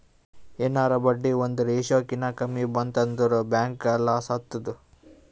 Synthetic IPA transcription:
eːnaːɾɐbɐɖːiond̪uɾeːʃoːkinɐkɐmibɐnt̪ɐnd̪uɾubaːŋkɐlːasɐt̪ːɐd̪u

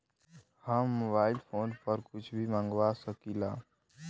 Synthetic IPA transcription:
hamːoːbaːɪlpʰoːnpəɾkʊt͡ʃʰbʱiːmãːŋɡʋasəkiːlaː

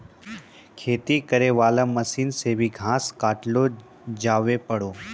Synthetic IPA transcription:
kʰeːt̪ikəɾeʋaːlə̃məsiːnsebʱiɡʱãːskaːʈlo | d͡ʒaːʋepəɽoː

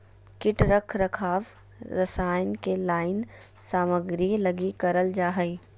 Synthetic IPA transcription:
kɪʈɾəkʰɾɐkʰaːʋ | ɾɐsaːɪnkelaːɪnsaːməɡɾilɐɡikɐɾəld͡ʒaːɦəi

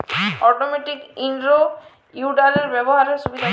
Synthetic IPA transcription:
ɔʈomeʈikiɳɖɾo | juɖaleɾbɛbɔɦaɾesubid̪ʱa

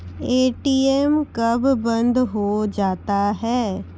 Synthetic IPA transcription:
eːʈiɛmkɐbːɐ̃nd̪ɦod͡ʒaːt̪aɦɛː

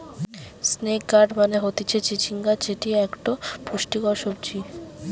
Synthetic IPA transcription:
snekɡaɖmaneɦot̪it͡ɕʰet͡ɕit͡ɕʰiŋɡad͡ʑeʈiɛkʈopɾoʃʈikɔʃobt͡ɕi

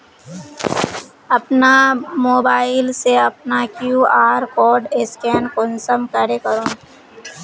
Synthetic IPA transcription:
ɐpnamoːbaːɪlseɐpnakjuːaːɾkɔːɖɪskɛːnkɔ̃nsəmkəɾekəɾõː

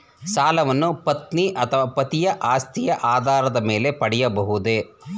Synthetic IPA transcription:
saːlɐʋɐnːupɐt̪niʔɐt̪ʰɐʋaːpɐt̪ijɐʔaːst̪ʰijɐʔaːd̪ʱaːɾɐd̪ɐme̞ːle̞pɐɽɛjɐbɐɦud̪e

